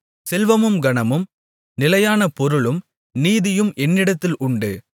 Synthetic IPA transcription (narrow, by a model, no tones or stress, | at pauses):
sɛlʋɐmɯmɡɐɳɐmɯm | nɪlɐjaːnɐpɔɾɯɭɯm | niːðɪjɯmʔɛnːɪɽɐt̪ːɪlʔʊɳɖɯ